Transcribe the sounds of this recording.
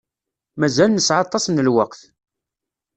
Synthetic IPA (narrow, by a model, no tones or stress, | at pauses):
mæzælnəsʕɑt̪ˤːɑsnəlwəqθ